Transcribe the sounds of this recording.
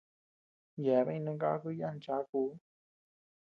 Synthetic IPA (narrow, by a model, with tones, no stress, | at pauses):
jɛ˨˦βã˦ĩ˧nɨ̃˧ŋɡa̰˦kɨ˧˦ja˦˧n˨t͡ʃa˧˦ku˧˦